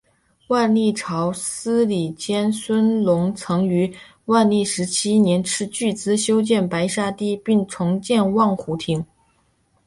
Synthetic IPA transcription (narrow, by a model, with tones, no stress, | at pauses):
wa˥˧nli˥˩ʈ͡ʂʰɑ˧˥ʊsɹ̩˥li˨˩t͡ɕjɛ˥nswə˥nlʊ˧˥ŋt͡sʰɤ˧˥ŋy˧˥ | wa˥˧nli˥˩ʂɻ̩˧˥t͡ɕʰi˥njɛ˧˥nʈ͡ʂʰɻ̩˥˧t͡ɕy˥˩t͡sɹ̩˥ɕjo˥ʊt͡ɕjɛ˥˩npa˧˥ɪʂa˥˧t̪i˥˩pi˥˩ŋt͡sʰʊ˧˥ŋt͡ɕjɛ˥˧nwɑ˥˩ŋxu˧˥t̪ʰi˧˥ŋ